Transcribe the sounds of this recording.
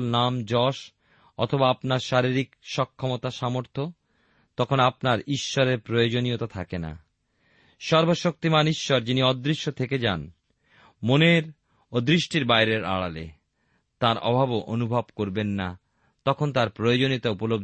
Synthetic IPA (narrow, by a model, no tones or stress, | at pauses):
lnamd͡ʑɔʃ | ɔ̰t̪ʰobaapnaɾʃaɾiɾikʃɔkʰːɔmot̪aʃamoɾt̪ʰo | t̪ɔkʰonapnaɾiʃːɔɾeɾpɾojod͡ʑonijot̪at̪ʰakena̰ | ʃɔɾboʃok̚t̪imaniʃːɔɾd͡ʑiniɔd̪ɾiʃːot̪ʰeked͡ʑan | moneɾ | od̪ɾiʃʈiɾbajɾeɾa̰ɽa̰lḛ | t̪aɾɔ̰bʱaboʔonubʱabkoɾbenːa | t̪ɔkʰont̪aɾpɾojod͡ʑoniot̪aupolob̚